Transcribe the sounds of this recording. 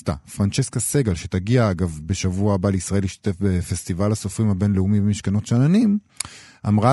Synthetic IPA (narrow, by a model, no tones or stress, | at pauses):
t̪a̰fʁant͡ʃe̞skaseɡalʃe̞t̪aɡiaaɡavbe̞ʃavuaːbaleisʁae̞liʃt̪ḁt̪e̞fbefest̪ivalaso̞fʁimhabe̞nleumibemiʃkano̞tʃananim | ʔamʁa